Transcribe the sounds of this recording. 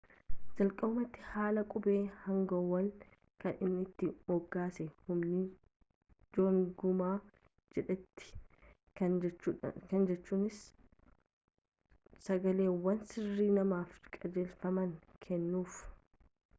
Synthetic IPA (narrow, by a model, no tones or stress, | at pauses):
d͡ʒɐlkʼɐʊmɐt̪ːɪ̥haːlɐkʼʊbeːhɐŋɡɐwɐl | kɐnɪnːɪt̪ːɪmɔɡːaːsɛhʊmnɪ | d͡ʒoːŋɡʊmaː | d͡ʒɛᶑɛt̪ːɪ̥ | ɐ | kɐnd͡ʒɛt͡ʃːuːnɪs | sɐɡɐle̞ːwɐnsɪrːiːnɐmaːfkʼɐd͡ʒeːlfɐmɐŋkʰɛnːuːf